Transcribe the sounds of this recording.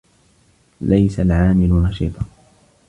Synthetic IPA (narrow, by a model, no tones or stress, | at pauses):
lajsalʕaːmɪlʊnɑʃḭːt̪ˤɑ